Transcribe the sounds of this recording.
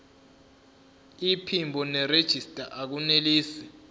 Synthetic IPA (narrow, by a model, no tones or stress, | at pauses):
ipʰimbʱɔnɛred̥ʒ̥ʱistʼaʔak̬uneliːsɛ